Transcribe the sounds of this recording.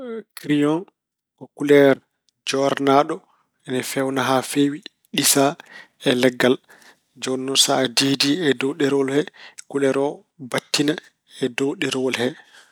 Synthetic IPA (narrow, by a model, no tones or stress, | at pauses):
kɾijɔn | kɔkulɛɾ | d͡ʒɔɾnaɗɔ | ɛnɛfɛwnaɦafeːwi | ɗisa | ɛlɛɡːal | d͡ʒɔnːɔnsaːdidiɛdowɗɛɾɔlhɛkulɛɾɔ | batːina | ɛdowɗɛɾwɔlhɛ